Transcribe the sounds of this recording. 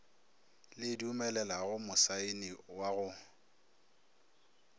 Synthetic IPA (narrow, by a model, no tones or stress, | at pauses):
lɪdiuʊmɛlɛlaɣʊmʊsaɪnɪwaɣʊ